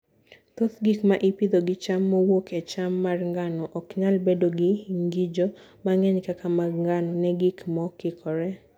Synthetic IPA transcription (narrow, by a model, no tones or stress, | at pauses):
t̪ot̪ɡikmaʔipid̪oɡɪt͡ʃamːɔwokʰɛt͡ʃamːarŋɡanɔʔɔkɲalbedoɡɪŋɡid͡ʒo | maŋɛɲkakamaŋɡanɔnɛɡikmɔkɪkʰɔɾɛ